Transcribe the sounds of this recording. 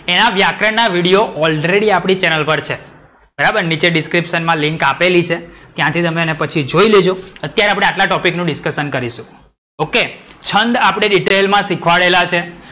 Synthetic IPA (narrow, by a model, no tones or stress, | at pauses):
enaʋjakɾənaʋiɽijoʔɔlɾeɽiapɽ̃it͡ʃɛnəlpəɾt͡ʃʰe | b̥əɾabəɾnit͡ʃeɖiskɾipʃənmãliŋkapelit͡ʃʰet̪jãt̪ʰit̪əmeːnepət͡ʃʰid͡ʒoiled͡ʒoət̪jaɾeapɽẽaʈlaʈɔpiknũɖɪskəʃənkəɾiʃũ | oket͡ʃʰənd̪apɽ̃ɳeɖiʈelmãsikʰʋaɭelat͡ʃʰe